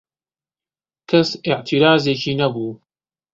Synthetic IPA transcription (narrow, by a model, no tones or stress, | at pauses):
kʰɐsɪʕt̪ʰiɾaːzeːciːnɐbuː